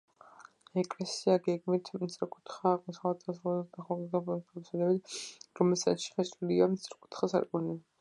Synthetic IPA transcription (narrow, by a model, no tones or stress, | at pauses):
ɛkʼlɛsiaɡɛɡmit̪ʰmit̪sʼɾɛkʼut̪χaːʁʼmɔsχat̪ʰasɔd̪aχɔɡiɡapnpʰɛlsad̪ɛbit̪ɾɔmɛlsa̰t̪ʃi̥χɛt͡ʃʼuliamt̪siɾkʼu̥t̪ʰχasa̰ɾkʼɔni